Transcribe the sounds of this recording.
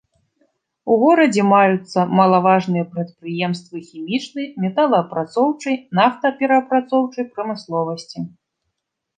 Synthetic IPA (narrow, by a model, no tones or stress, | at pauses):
uɣɔɾɐd͡zʲɛmajut̪sːɐmɐlˠavaʐnɨjɐpɾɐt̪̚pɾɨjɛmst̪vɨxʲimʲit͡ʂnɨjmʲɛt̪alˠɐːpɾat̪sɔwt͡ʂɐjnaft̪ɐpʲɛɾɐːpɾat̪sɔwt͡ʂɐjpɾɐmɨslˠɔvɐsʲt͡sʲi